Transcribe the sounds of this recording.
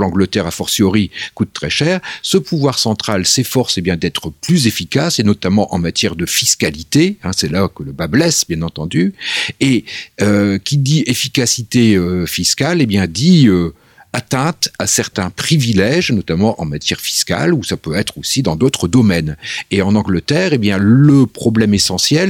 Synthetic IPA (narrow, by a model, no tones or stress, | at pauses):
lɑ̃ɡlət̪ɛʁafɔʁsjɔʁikut̪ːχɛʃɛːʁsəpuvwaʁsɑ̃t̪χalsefɔʁsebjɛ̃d̪ɛt̪χəplyzefikʲasenɔt̪amɑ̃ʔɑ̰̃mat̪jɛʁd̪əfiskalit̪eɛ̃sɛlakələbablɛsbjɛ̃nɑ̃t̪ɑ̃d̪yeøkʲid̪iefikasit̪eøfiskʲalebjɛ̃d̪iø | at̪ɛ̃t̪asɛʁt̪ɛ̃pχivilɛʒnɔt̪amɑ̃ʔɑ̰̃mat̪ʰjɛʁfi̥ska̰lusapøɛt̪χosid̪ɑ̃d̪ot̪χəd̪ɔmɛneɑ̃nɑ̃ɡlət̪ɛːʁebjɛ̃ːəpχɔblɛmesɑ̃sjɛl